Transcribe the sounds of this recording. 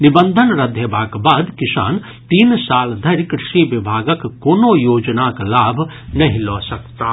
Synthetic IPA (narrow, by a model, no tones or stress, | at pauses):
nɪbənd̪ʱənɾɐd̪ʱjəbaːkbaːd̪kɪsa̰ːn | t̪iːnsaːld̪ʱɐɾkɾɪʃiʋɪbʱaːɡəkːoːnojoːd͡ʒnaklaːbʱ | nɐɦĩlɔːsɐkt̪aː